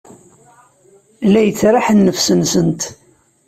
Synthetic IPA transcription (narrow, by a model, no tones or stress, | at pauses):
læjət͡sːɾˤaħənːəfsənsənt̪